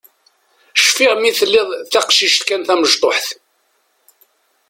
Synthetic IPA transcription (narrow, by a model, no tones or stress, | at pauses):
ʃfɪʁmiθəlːɪðˤθæqʃiʃt̪kænθæməʒt̪ˤoħθ